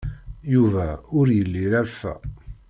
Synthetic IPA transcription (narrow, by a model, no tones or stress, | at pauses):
juvæʊɾjəlːiɾæfæ̰